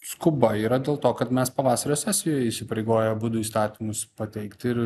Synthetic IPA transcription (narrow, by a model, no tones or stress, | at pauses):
skʊbɐiːɾɐd̪ʲeːlˠt̪oːkɐt̪mʲɛspɐʋɑːsɐɾʲoːsʲæːsʲɪjoːjɛisʲɪpɐɾʲɛɪɡoːjɛbud̪ʊiːst̪ɑːt̪ʲimʊspɐt̪ʲɛɪkt̪ʲɪɾ